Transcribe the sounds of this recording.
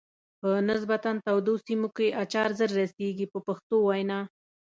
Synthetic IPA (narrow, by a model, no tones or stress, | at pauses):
pənɪsbat̪ant̪awd̪osimokeʔat͡ʃɑɾzəɾːaseɡipəpaxt̪owajnɑ